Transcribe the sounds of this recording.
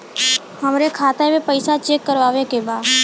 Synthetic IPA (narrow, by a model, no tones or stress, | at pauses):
ɦəmɾekʰaːt̪emẽpəɪsat͡ʃeːkːəɾʋaːʋekebaːd̪